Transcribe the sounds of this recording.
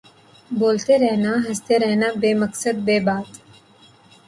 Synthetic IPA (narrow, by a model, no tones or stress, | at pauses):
boːlt̪eɾɛɦnaɦəst̪eɾɛɦnabeːməksəd̪̚beːbaːt̪